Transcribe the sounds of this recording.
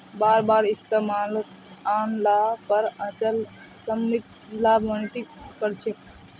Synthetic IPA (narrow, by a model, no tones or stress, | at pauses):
baɾbaɾist̪emalət̪anlapəɾət͡ʃəl | səmit̪ | labənit̪ikkəɾt͡ʃʰe